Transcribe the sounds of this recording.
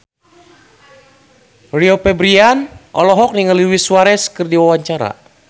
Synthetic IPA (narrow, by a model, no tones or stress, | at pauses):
riopɛbɾianʔɔ̰lɔɦɔk̚niŋaliwisuaɾɛskɨrdiwawaɲt͡ʃaɾa̰